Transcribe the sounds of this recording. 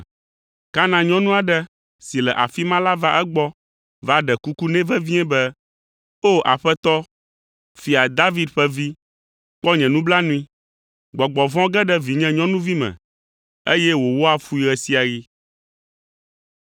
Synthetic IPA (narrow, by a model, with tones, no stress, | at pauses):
ka˦nã˨ɲɔ̃˦nũ˦a˨ɖɛ˦ | si˨lɛ˨ʔa˨fi˦mã˦la˦va˦ʔɛ˦ɡ͡bɔ˦ | va˦ɖɛ˨ku˦ku˦nɛ̃˦vɛ˦vi˦ɛ̃˦bɛ˦ | o˦ʔa̰˨ɸɛ˦t̪ɔ˦ | fi˨a˨d̪a˦vi˦d̪ɸɛ˦vi˦ | k͡pɔ˦ɲɛ̃˨nũ˦bla˦nũ˦ĩ˦ | ɡ͡bɔ˨ɡ͡bɔ˨vɔ̃˦ɡɛ˦ɖɛ˦vi˨ɲɛ̃˦ɲɔ̃˦nũ˦vi˦mɛ̰̃˨ | e˦jɛ˦wo˨wo˦a˨fu˦i˨ɣɛ˨si˦a˨ɣi˦